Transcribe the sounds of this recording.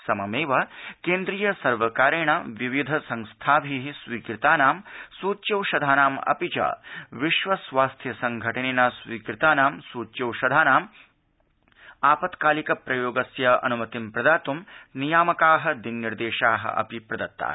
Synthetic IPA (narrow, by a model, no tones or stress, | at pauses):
sɐmɐmeːʋɐkeːnd̪ɾijɐsɐɾʋɐkaːɾeːɳɐʋiʋid̪ʱɐsɐ̃ŋst̪ʰaːʋʱiɦisʋiːkɾɪt̪aːnaːmsuːtːt͡ʃɐwʃɐd̪ʱaːnaːmɐ̰pit͡ʃɐ̰ʋiʃʋɐsʋaːst̪ʰjɐsɐŋɡʱɐʈɐneːnɐsʋiːkɾɪt̪aːnaːmsuːt͡ʃɐwʃɐd̪ʱaːnaːm | aːpɐt̪kaːlikɐpɾɐjoːɡɐsjɐɐ̰numɐt̪impɾɐd̪aːt̪umnijaːmɐkaːɦɐd̪inniɾd̪eːʃaːɦɐ̰ʔɐ̰pipɾɐd̪ɐt̪ːa̰ː